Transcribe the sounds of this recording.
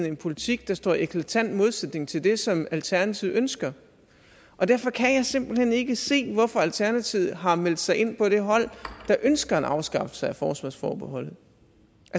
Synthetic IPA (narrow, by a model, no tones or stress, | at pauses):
n̩e̝npʰo̝lit͡sʰiɡ̥̚d̥ɑ̈sd̥ɒ̰ːiekʰlæt͡sʰæn̰d̥mo̝ð̞ˠsed̥ne̝ŋt͡sʰe̝ld̥e̝sɒ̽mælt͡sʰæɐnæt͡sʰið̩ˠønsɡ̥ɐ | ʔɒ̽d̥æɐfɒ̽kʰæjɑ̈ɪsem̰b̥l̩hene̝ɡ̥əse̝̰ːʋɒfɒ̽ælt͡sʰæɐnæt͡sʰið̩ˠɦɑ̈mel̰d̥sɑ̈ɪʔe̝n̰pʰɒ̽ɾ̥e̝ɦɒ̽l̰d̥ɑ̈ʔønsɡ̥ɐenɑ̈ʊsɡ̥ɑ̈fə̥sɑ̈ɪæfɒːsʋɑsfɒ̰ːb̥e̝ɦɒ̽l̰ð̩ˠ | ʔæ